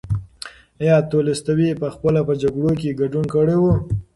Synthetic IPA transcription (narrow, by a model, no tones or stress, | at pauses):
jɑt̪olɪst̪awipəxpəlapəd͡ʒaɡɽok̬eɡaɖunkəɽewu